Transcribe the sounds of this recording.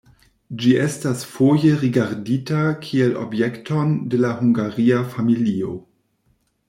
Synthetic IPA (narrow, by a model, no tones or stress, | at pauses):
d͡ʒiɛstasfojeʁiɡaɾditakʰielo̰bjektondelahuŋɡaʁiafamilio̰